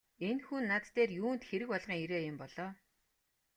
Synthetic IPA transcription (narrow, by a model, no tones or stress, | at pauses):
enxunːat̪ːeːrjuːnt̪xeɾɘ̆kpɔɮʁiːŋiɾeːjʊmpɔɮ̥ɔː